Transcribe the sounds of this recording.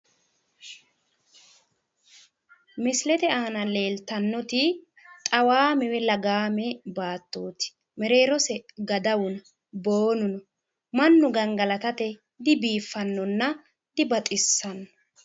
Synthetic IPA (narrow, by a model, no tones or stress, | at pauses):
mɪslɛt̪ɛaːnɐle̞ːlt̪ɐnːɔt̪ɪ | t̪ʼɐwaːmɛwɛlɐɡaːmɛbaːt̪ːoːt̪ɪ̥ | mɛɾe̞ːɾɔsɛɡɐd̪ɐwʊnɐ | boːnʊnɔ | mɐnːʊɡɐŋɡɐlɐt̪ɐt̪ɛ | d̪ɪbiːfːɐnːɔnːɐ | d̪̥ɪbɐt̪ʼɪsːɐnːɔɔ̥